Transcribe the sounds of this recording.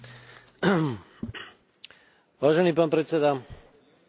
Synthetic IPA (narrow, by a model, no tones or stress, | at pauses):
ʋaːʒɛniːpaːnpɾɛt̪sɛd̪a